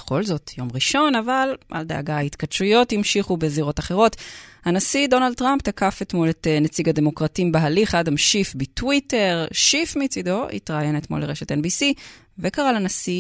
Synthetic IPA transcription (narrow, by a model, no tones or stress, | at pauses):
eχo̞lzo̞tʰjo̞mʁiʃo̞navalʔa̰ld̪aːɡaaitkadʃujo̞thimʃiχubeziʁo̞taχeʁo̞thanasido̞nald̚tʁamptakafetmoletnet͡siɡade̞mo̞kʁatiimbeɦaliχadhamʃifbitwite̞ʁʃifmit͡sido̞ḭtʁajenetmo̞̰leʁeʃetenbisi | vekaʁalanasi